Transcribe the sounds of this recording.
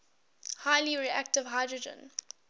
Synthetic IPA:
haɪliɹiæk̚tɪvɦaɪdɹəd͡ʒə̰̃n

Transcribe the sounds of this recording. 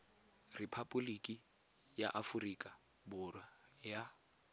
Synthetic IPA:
ripʰapʼʊlikʼi | ja̰ʔafurikʼa | bʊrwaja

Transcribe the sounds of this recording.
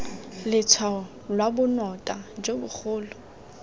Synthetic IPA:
lɪt͡sʰwa | lwabʊnɔtʼad͡ʒebʊk͡xʰʊːlʊ

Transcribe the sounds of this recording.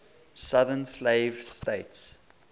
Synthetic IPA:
saðənsleɪvsteɪts

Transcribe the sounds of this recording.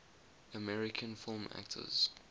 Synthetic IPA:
əmɛɹɪkʰə̃nfɪlˠmæ̰k̚tʰə̰z̥

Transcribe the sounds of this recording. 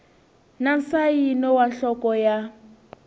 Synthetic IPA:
nansajinɔwanɬɔkɔja

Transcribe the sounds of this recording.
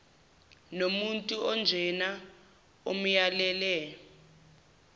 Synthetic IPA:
nomuntʼuʔɔnd͡ʒʱɛna | om̩jalɛlɛ

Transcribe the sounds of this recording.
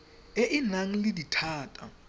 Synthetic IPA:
eʔinaŋ̩liditʰaːtʼa̰

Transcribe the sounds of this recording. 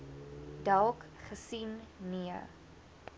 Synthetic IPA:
d̥alˠkχəsinːiə

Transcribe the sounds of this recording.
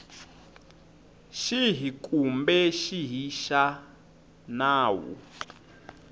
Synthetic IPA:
ʃiɦikʼumbɛʃiɦiʃa | naːwṵ

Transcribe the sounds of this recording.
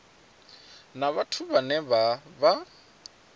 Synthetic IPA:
naβatʰʊbanɛbaba

